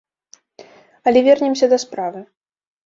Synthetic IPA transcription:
ɐlʲɛvʲɛrnʲɛmsʲɐd̪ɐspɾavɨ

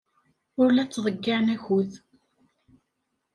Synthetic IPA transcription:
ʊɾlæt͡sːðˤəɡːɪʕnæçuð

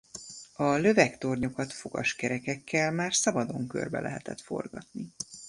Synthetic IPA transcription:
ɒlø̞vɛkt̪o̞rɲo̞kɒt̪fo̞ɡ̥ɒ̰ʃkɛɾɛkɛkːɛlmaːrsɒbɒd̪o̞ŋkø̰rbɛ̰lɛ̰ɦɛt̪ɛt̪fo̞̰rɡɒt̪ni

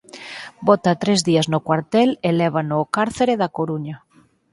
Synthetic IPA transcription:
bot̪at̪ɾezðiaznokwaɾt̪eleleβ̞anokaɾθeɾeðakoɾuɲa

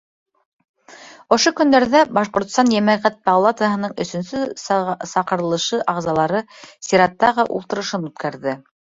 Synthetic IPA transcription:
ŏʃokɵ̆nd̪æɾðæbɑʃqŏɾt̪̆st̪ɑnjæmæʁæt̪̚bɑlˠat̪əɦɤ̆nɤɴɵ̆sɵ̆nsɵsɑqɤ̆ɾɤ̆lˠɤ̆ʃɤʔɑʁzɑlˠɑɾɤsiɾɑt̪ːɑʁɤʔṵlˠt̪ɤ̆ɾɤ̆ʃɤnʉt̪kæɾðɘ

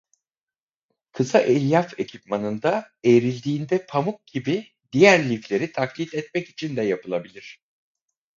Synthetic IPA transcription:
kʰɯzaʔelʲjafe̞cʰipmanɯnd̪a | ejɾilʲd̪iːnd̪ɛpʰamuk̚ɟ̥ibi | d̪ijæɾlʲiflʲe̞ɾit̪ʰaklʲit̪ɛt̪̚mɛci̥t͡ʃʰind̪ɛjapʰɯlˠabilʲiɾ̝̥

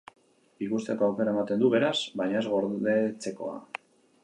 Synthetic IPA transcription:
biɣust̪eko̞awke̞ɾaemat̪e̞nd̪uβe̞ɾazβajɲae̞zɣo̞ɾðe̞t͡se̞ko̞̰a̰

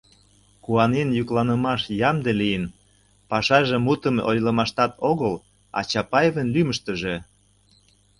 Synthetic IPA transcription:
kuɑnenjuklɑnə̆mɑʃjɑmd̪elijən | pɑʃɑʒĕmut̪ə̆mo̰jlə̆mɑʃt̪ɑt̪oɣəl | ɑ̰t͡ɕɑpɑjevənlyməʃt̪ə̆ʒe

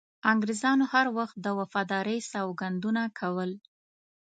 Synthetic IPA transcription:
aŋɡɾɪzɑnohaɾwaxt̪̚d̪əwafɑd̪ɑɾəjsɑwɡand̪unakʰawəl

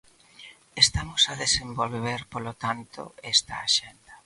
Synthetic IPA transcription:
est̪amʊsaðesembolβeɾpolot̪ant̪o̰ɛst̪aaʃend̪ɐ

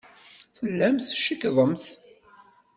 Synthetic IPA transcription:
θəlːæmθʃəkːðˤəmθ

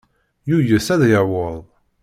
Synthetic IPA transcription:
jujəsæðjəwəðˤ

